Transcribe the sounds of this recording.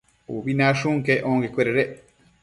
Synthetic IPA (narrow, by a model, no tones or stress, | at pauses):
uβinãʃuŋkeʔõŋɡekʷeɾeɾe